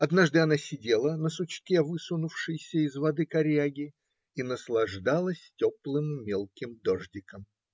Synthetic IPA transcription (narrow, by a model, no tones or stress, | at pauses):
ɐd̪naʐd̪ɨɐnasʲɪdʲe̞lˠənəsʊt͡ɕkʲevɨsʊnʊfʂɨjsʲəɪzvɐd̪ɨkɐɾʲaɡʲɪ | inəslˠɐʐd̪alˠəsʲtʲoplˠɨmːʲelˠkʲɪmd̪oʐdʲɪkəm